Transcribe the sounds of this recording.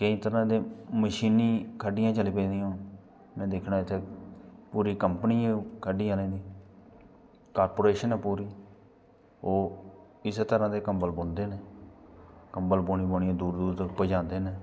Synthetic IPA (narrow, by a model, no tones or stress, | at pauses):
kəĩːt̪əɾãːd̪eːməʃiːniːkʰəɖːɪjãːt͡ʃəliːpẽːd̪ijãː | nɛ̃ːd̪eːkʰnaːɪt̪ʰeːpuːɾiːkəmpəniːãkʰəɖiːãlẽːd̪iː | kaːɾpoːɾeːʃənɛ̃ːpuːɾiː | oː | ɪst̪əɾãːd̪eːkəmbəlbond̪eːneː | kəmbəlboːɳiːboːɳiãːd̪uːɾd̪uːɾd̪pəd͡ʒãːnd̪eːneː